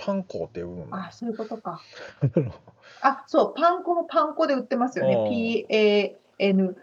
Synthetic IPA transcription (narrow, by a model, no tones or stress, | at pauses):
pʰãŋko̰ːt̪ːeɯ̃nasoɯ̟ko̞t̪o̞ka | aso̞ːpãŋkompʰãŋko̞d̪e̞ɯ̟t̪ːe̞masɨjo̞ne̞pʲiːeː | enɯ̟